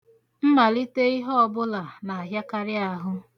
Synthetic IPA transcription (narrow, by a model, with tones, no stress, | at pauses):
m̩˦ma˨li˦te˦i˦ɦɔ˦ɔ˦˨bʊ˦la˨na˨a˨ɦja˦ka˦ɾɪ˦a˦ɦʊ˦